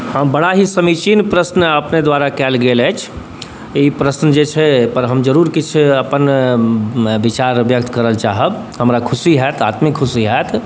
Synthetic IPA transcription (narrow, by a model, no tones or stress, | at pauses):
ɦə̃bəɽaɦisəmit͡ʃinpɾəsnəpned̪waɾakɛlɡelɛt͡ʃʰ | ipɾəsnəd͡ʒet͡ʃʰɛpəɾɦəmd͡ʒəɾuɾkit͡ʃʰəpən | bit͡ʃaɾbjək̚t̪kəɾəlt͡ʃaɦəb | ɦəmɾakʰusiɦɛt̪ʰat̪mikʰːusiɦɛt̪ʰ